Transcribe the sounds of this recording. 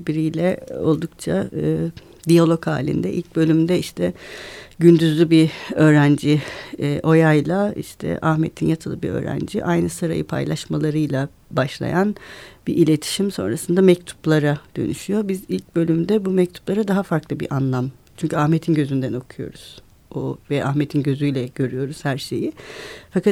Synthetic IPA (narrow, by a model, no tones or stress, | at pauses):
biɾijlʲɛo̞̰lˠd̪ukt͡ʃʰaɯː | d̪ijalʲˠo̞kha̰ːlʲḭnd̪ɛʔḭlʲc̚bø̞lʲymd̪ɛiʃt̪ʰɛɟynd̪yzlʲibiø̞ːɾænd͡ʒiːʔo̞jajlˠaḭʃt̪ʰɛ̰ʔahmḛt̪ʰinjat̪ʰɯlˠɯbiɾø̰ːɾæ̰nd͡ʒiʔajnɯsɯɾa̰jɯ̰pʰa̰jlˠaʃmalˠaɾɯjlˠa | baʃlˠa̰janb̥iʔilʲe̞t̪ʰi̥ʃimso̞̰nɾasɯnd̪amɛc̚t̪ʰu̥plˠaɾad̪̥ø̞̰nyʃyjo̞bizilʲc̚bø̞lʲymd̪ɛbumɛc̚t̪ʰu̥plˠaɾad̪aɦafaɾklˠɯbḭɾʔanlˠam | t͡ʃʰyɲcʰyahmet̪ʰinɟøzynd̪æno̞kʰujo̞̰ɾuz̥ | ovɛʔaxmet̪ʰinɟø̞zyjlʲɛɟ̥ø̞ɾyjo̞ɾuz̥hæɾʃe̞̰jifakat̪